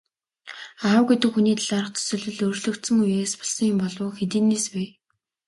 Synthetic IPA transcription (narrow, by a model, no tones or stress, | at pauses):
aʊ̆wɡet̪ɘ̆kxuniːt̪aɮaɾə̆χt̪ʰɵ̥sɵ̆ɮɘ̆ɮɵrɮɵ̆kt̪sɘ̆ŋujeːspɔɮsɞ̆ŋjʊmpɔɮʊːxet̪iːneːspeː